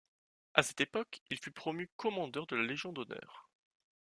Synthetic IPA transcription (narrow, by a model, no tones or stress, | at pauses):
asɛ̥t̪epɔkilfypχɔmykɔmɑ̃d̪œʁd̪əlaleʒjɔ̃d̪ɔnœ̰ːʁ